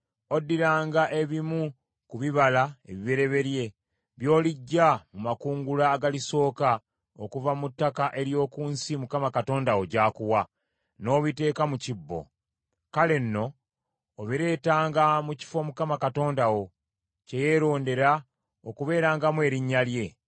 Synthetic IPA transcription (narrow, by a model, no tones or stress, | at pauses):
o̞dːiɾaːŋɡaʔe̞βimu | kuβiβalae̞̰βiβe̞ɾe̞βe̞ɾje̞ | βjo̞ːliɟːamumakuːŋɡulaːɡaliso̞ːka | okuvamutːakaʔe̞ɾjo̞ːkuːnsimukamakato̞ːndawoɟaːkuwa | no̞ːβite̞ːkamucibːo̞̰ | kale̞nːo̞ː | βiɾe̞ːtaːŋɡamuci̥fo̞mukamakato̞ːndawo̞ | ce̞je̞ɾo̞ːnde̞ɾa | okuβe̞ːɾaːŋɡamwe̞ːɾiɲːalje̞